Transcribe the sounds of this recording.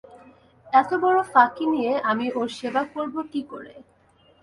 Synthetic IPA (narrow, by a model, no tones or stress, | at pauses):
ɛt̪obɔɽofakinijeʔamiʔoɾʃebakoɾbokikoɾḛ